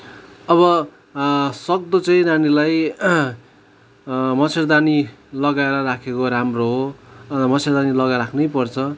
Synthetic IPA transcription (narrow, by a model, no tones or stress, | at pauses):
ʌβʌ | sʌk̚d̪ʌt͡saĩnanilaj | mʌt͡sʰerd̪anilʌɡaeɾʌrakʰekoɾamroɦomʌt͡sʰerd̪anilʌɡaɾakʰnʌjpʌrt͡sʰʌ